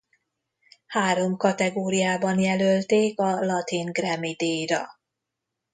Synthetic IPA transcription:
haːɾo̞mkɒt̪ɛɡoːɾijaːbɒnjɛlølt̪eːkɒlɒt̪iŋɡrɛmid̪eːjɾɒ̰

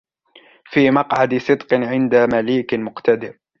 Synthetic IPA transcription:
fiːmɑqʕad̪sˤɨd̪qɨʕɪnd̪amaliːkmʊqt̪ad̪ɪɾ

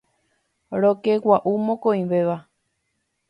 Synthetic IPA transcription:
ɾokewʷaʔumõkõĩʋeʋa

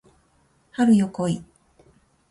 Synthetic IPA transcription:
haɾɯ̟jokoi

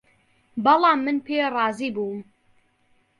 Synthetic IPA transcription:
bɑlˠɑːmːɨnpʰeːrˤɑːziːbuːm

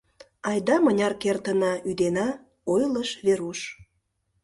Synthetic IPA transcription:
ɑjd̪ɑmənʲɑrkert̪ənɑyd̪enɑ | ojləʃβeɾuʃ

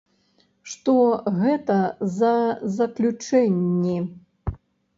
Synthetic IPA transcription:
ʂt̪ɔɣɛt̪ɐzɐzɐklʲut͡ʂɛnʲːi

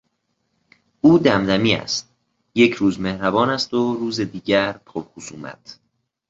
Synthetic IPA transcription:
uːd̪æmd̪æmiːæ̰st̪̚ | je̞cʰɾuːzmehɾæbɒːnæst̪oɾuːzed̪iːɟæɾpʰobxusuːmæ̰t̪ʰ

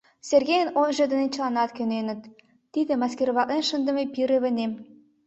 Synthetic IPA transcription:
serɣejənonʒed̪ə̆net͡ɕlɑnɑt̪kønenə̆t̪̚ː | id̪ĕmɑskeɾβɑʔenʃənd̪ə̆mepiɾeβə̆nem

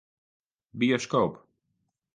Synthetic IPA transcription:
biɔskowp

